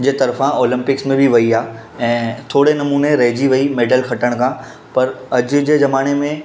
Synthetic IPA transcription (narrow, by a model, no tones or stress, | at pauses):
d͡ʑeːt̪ɐɾfãoːlɪ̃mpɪksmẽbʱɪʋɐiaː | ɛ̃ːt̪ʰoːɽenɐmuːneɾɐɦɪd͡ʑiʋɐimeːɖəlxɐʈəɽ̃kʰãː | pɐɾɐd͡ʑʊ̆d͡ʑeːzɐmaːñemẽ